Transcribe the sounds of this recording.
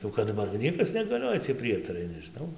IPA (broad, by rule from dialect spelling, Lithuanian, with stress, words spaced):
jɛʊ ˌkɐt dɐˈbɐr ɡʲɪ ˈnʲiɛkɐs nʲɛɡɐˈlʲoːjɛ t͡sʲiɛj ˈpʲrʲiɛtɐrɐɪ nʲɛʒʲɪˈnɐʊ